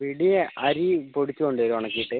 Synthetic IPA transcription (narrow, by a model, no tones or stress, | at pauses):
ʋiɽijeʔɐɾipoɽit͡ɕːukoɳɖɐɾuʋɐɳɐkːiiʈːɨ